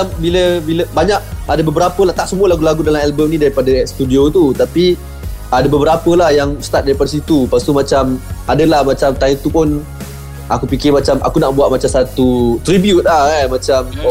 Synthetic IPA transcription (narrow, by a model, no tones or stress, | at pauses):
ambiləbiləbaɲak̚adəbəbəɾapəlaht̪aʔsəmuəlakulaɡudalamɛlbəmnĩdaɾipadəst̪udiot̪ut̪api | adəbəbəɾapəlahjaŋst̪at̪̚daɾipadas̬it̪upast̪umat͡ʃamadəlahmat͡ʃamt̪ajt̪upʊn | ʔakupikɪmat͡ʃama̰kunaʔbuat̪̚mat͡ʃamsat̪ut̪ɾibjut̪̚lahɛmat͡ʃam